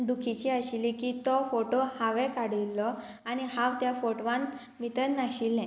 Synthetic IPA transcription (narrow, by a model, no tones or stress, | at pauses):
d̪ukʰit͡ɕiːəɕilikiːt̪ɔfoʈohaʋɛkaɽ̤ilːɔ | aniɦaʋt̪jafoʈʋãn | ʋit̪ənnaɕilːɛ̃